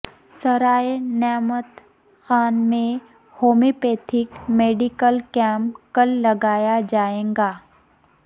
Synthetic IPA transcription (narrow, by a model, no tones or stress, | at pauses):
sɐɾaːenɛːmət̪ | xaːnmẽ | hoːmipeːt̪ʰɪkmeːɖɪkəlkɛ̃ːmkəlːɐɡaːjad͡ʒaːẽːŋɡaː